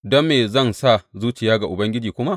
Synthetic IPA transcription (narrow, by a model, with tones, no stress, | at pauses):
dɔ˦mːeː˨zɐ˦˨nsa˦˨zuː˦t͡ʃɪ˨jaː˦ɡa˨ʔʊ˨bɐ˦ŋɡʲɪ˦d͡ʒiː˨kʷʊ˦ma˦ʔ